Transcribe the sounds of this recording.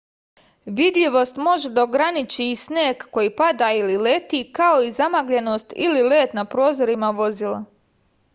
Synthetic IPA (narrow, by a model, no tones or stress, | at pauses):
ʋid̪ʎʲiʋo̞st̪mo̞ʒed̪aoɡɾanit͡ɕiːsneːkːo̞jipad̪ailile̞t̪ikao̞izamaɡʎe̞no̞st̪ḭlile̞ːt̪napɾo̞ːzo̞ɾimaʋo̞zilˠa̰